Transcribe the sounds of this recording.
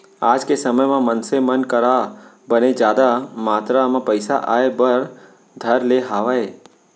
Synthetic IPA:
ad͡ʒkesəməjmãmənsemənkəɾa | bəned͡ʒjad̪amat̪ɾamãpəjsa̰ʔaebəɾ | d̪ʱəɾleɦaʋae

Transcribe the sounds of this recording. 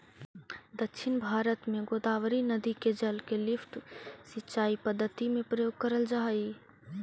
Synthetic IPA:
d̪əkʃʰɪnbʱaːɾət̪mẽɡoːd̪aːʋəɾinəd̪iked͡ʒəlkelɪfʈsɪtːʃaːipəd̪ːət̪imẽpɾəjoːɡ̚kəɾəld͡ʒaːi

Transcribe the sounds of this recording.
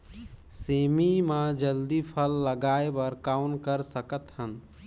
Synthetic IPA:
semimãd͡ʒəld̪ipʰəlːəɡaebəɾkaʊnkəɾsəkət̪hən

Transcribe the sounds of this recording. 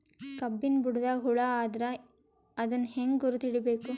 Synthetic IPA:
kɐbːinbuɽud̪ɐɦuɭaaːd̪ɐɾɐ | ɐd̪ɐnːheŋɡɡuɾut̪iɽibeːku

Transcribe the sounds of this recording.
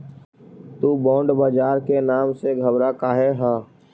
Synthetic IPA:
t̪ubɔ̃ːɳɖbaːd͡ʒaːɾkenaːmseɡʱəbɾakaːɦeɦaː

